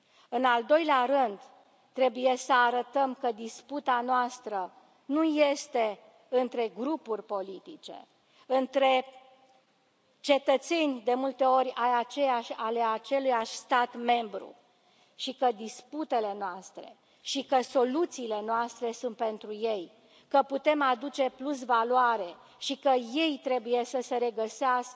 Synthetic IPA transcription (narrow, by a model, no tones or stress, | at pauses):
ɨnald̪o̞jleaɾɨnd̪ | t̪ɾe̞buje̞səaɾət̪əmkəd̪isput̪anoast̪ɾə | nuje̞st̪e̞ | ɨnt̪ɾe̞ɡɾupurʲpo̞lit̪it͡ʃe̞̰ | ɨnt̪ɾe̞ | t͡ʃe̞t̪ət̪se̞nʲd̪e̞mult̪e̞o̞ɾʲajat͡ʃejaʃʲaleat͡ʃe̞lujaʃʲst̪at̪me̞mbɾṵ | ʃikəd̪isput̪e̞le̞noast̪ɾe̞̰ | ʃikəso̞lut̪siːle̞noast̪ɾesunt̪pe̞nt̪ɾuje̞j | kəput̪e̞mad̪ut͡ʃe̞plus̬valoaɾe̞ | ʃikəje̞jt̪ɾe̞buje̞səse̞ɾe̞ɡəseask